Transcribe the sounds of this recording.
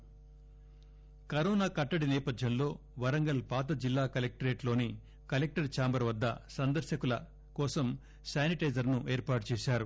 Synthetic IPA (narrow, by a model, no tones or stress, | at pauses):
kɐɾoːnaːkɐʈːɐɽinɛːpɐd̪ʱjɐmlo̞ː | ʋɐɾɐŋɡɐlpaːt̪̬ɐd͡ʒilːaːkɐlek̚ʈɐɾe̞ːʈlo̞ːni | kɐlek̚ʈɐɾt͡ʃaːmbɐɾʋɐd̪ːɐ̰sɐnd̪ɐɾʃjɐkulɐ̰ | kɔːsɐm | saːniʈɐjd͡ʒɐɾnuʔe̞ːɾpaːʈut͡ʃeːʃaːɾu